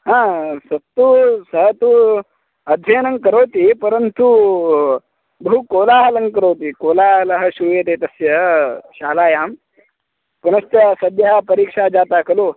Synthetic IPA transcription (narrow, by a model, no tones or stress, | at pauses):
ɦãsət̪usəɦət̪u | ɐd̪ʱenəŋɡ̚kəɾowt̪iːpəɾənt̪u | bəɦukolaɦələŋɡkəɾowt̪iːkolaləɦəɕuɾuːjet̪et̪əsjəɕalajam | pɐnɐst̪asəd̪jɦapəɾiːkʂad͡ʒat̪akəlo